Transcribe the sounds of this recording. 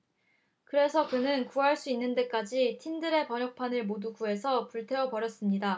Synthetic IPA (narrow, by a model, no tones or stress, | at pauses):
kɯɾe̞sʰʌkɯnɯnkuɦaɭs͈uinːɯnde̞k͈ad͡ʑitʰindɯɾe̞pʌɲʌk̚pʰanɯɭmoduɡue̞sʰʌpuɭtʰe̞ʌpʌɾjʌs͈ɯmɲida